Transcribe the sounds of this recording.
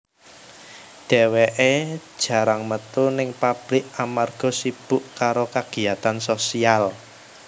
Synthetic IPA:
ɖ̥e̤weʔed̥ʒ̥ä̤ɾaŋmət̪unɪŋpab̥ɾɪk̚amarɡ̥ɔ̤sib̥ʊʔkaɾokaɡ̥i̤at̪ansosial

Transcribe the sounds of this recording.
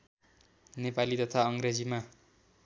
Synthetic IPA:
nepalit̪ʌt̪ʰaʌŋred͡zima

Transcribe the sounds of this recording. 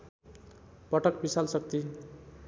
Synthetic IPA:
pʌʈʌkbisalsʌk̚t̪i

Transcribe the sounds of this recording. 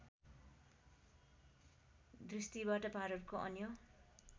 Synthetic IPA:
d̪rist̪ibaʈʌpaɾʌrkoʔʌ̰njo

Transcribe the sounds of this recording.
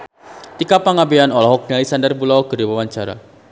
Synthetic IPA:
t̪ikapaŋabeanɔlɔɦɔk̚nilisandərbulawɡəɾiwawaɲt͡ʃaɾa̰

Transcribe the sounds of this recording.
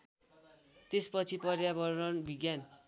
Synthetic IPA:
t̪espʌt͡sʰipʌrjabʌrʌnbʱiɡjan

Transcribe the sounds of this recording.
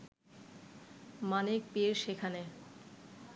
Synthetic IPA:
manek̚pieɾʃekʰane

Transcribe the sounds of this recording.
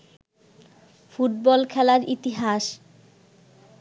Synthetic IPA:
fuʈ̚bɔlkʰɛlaɾit̪iɦaʃ

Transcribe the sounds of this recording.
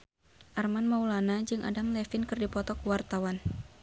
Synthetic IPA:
ʔarmanmaulanad͡ʒɨŋʔa̰damlɛfɪnkɨrdipɔt̪ɔkuwart̪awan

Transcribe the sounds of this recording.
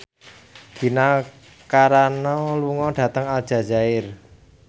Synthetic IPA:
ɡ̥i̤na | kaɾanɔluŋɔɖ̥ä̤t̪əŋald̥ʒ̥a̤ʒa̤ɪr

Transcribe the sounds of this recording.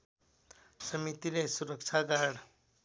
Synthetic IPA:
sʌmit̪ilesuɾʌk̚t͡ʃʰaɡaɽ

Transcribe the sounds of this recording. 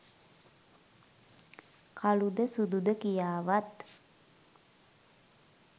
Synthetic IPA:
kʰalud̪əsud̪ud̪əkijaːʋat̪

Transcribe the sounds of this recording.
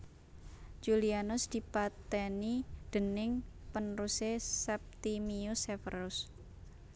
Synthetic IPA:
d͡ʒulianʊsd̪̥i̤pat̪ɛnid̪̥ə̤nɪŋpənrusesɛp̚t̪imiusefə̰rʊs

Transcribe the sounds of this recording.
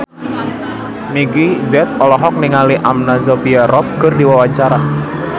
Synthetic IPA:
miɡizɛt̪̚ɔlɔɦɔk̚niŋaliʔamnazopiaɾɔp̚kərdiwawat͡ʃaɾa

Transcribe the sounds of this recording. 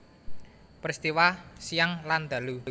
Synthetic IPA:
pərst̪iwasijaŋland̪̥a̤lu

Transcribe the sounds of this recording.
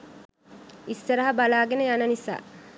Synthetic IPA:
isːɐɾɐɦɐbalaːɡenəjanənisa̰ː

